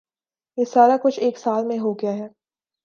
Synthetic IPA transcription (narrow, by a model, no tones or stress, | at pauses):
jesaːɾakʊt͡ʃʰeːksaːlmẽɦoɡɪjaɦɛː